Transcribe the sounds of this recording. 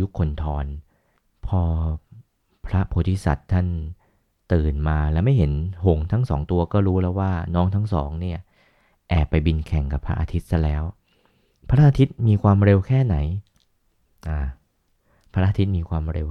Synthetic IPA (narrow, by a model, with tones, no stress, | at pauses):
ju˦˥kʰːo˧nt̪ʰɔː˧n | pʰɔː˧ | pʰɾa˦˥pʰoː˨˩˦t̪ʰi˦˥˩sa̰˨˩t̪ʰːa˥˩n | t̪ɯː˨˩nmaː˧lɛː˦˥wma˥˩jɦe˩˦nho˨˩ŋt̪ʰa˦˥ŋsɔ̰ː˩˦ŋt̪u˧ɐkɔː˥˩ɾuː˦˥lɛː˦˥waː˥˩nɔː˦˥ŋt̪ʰa˦˥ŋsɔ̰ː˩˦ŋni˥˩ɐ | ʔɛː˨˩pːa˧jbi˧nkʰɛ˨˩ŋka˨˩pʰɾa˦˥ʔa˧t̪ʰi˦˥t̪̚sa˦˥˩lɛː˦˥w | pʰa˧ɾa˥ʔa˧t̪ʰi˦˥t̪̚miː˧kʰwaː˧mɾe˧wkʰɛː˥˩na˩˦j | ʔaː˨˩ | pʰa˧˦˥a˧aː˧t̪ʰi˦˥t̪̚miː˧kʰwaː˧mɾe˧w